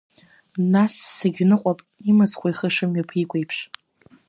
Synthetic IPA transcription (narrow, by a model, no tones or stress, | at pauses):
nasːaɡʲnɨqʷʼapʼimɨzχʷajχəʂɨmɥapʰikʷejpʰʂ